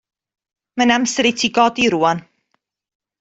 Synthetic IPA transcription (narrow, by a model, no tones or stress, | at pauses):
manamsəɾitʰiːɡɔdiɾuːan